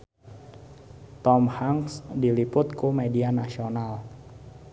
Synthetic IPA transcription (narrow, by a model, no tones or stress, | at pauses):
t̪ɔmhaŋsdilipʊt̪̚kumedianasional